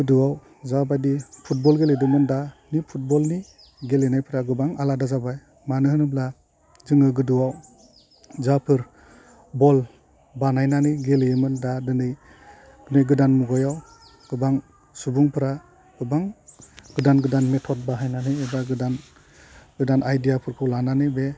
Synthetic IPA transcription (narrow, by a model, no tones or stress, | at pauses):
ɡɯduwaw | zabajdipʰut̚bɔlɡeledɯmɯndanipʰut̚bɔlni | ɡelenajpʰɯɾaɡɯbaŋaladazabaj | manɯhɯnɯbla | zɯŋɯɡɯduwaw | zapʰɯɾ | bɔl | banajnanɯjɡeleemɯndadɯnɯj | ɡ̥ɯnɯjɡɯdanmuɡɔjaw | ɡ̥ɯbaŋ | subuŋpʰɯɾa | ɡ̥ɯbaŋɡɯdanɡɯdanmetʰɔt̚baɦajnanɯjebaɡɯdan | ɡ̥ɯdanʔajdijapʰɯɾkʰɯwlananɯjbe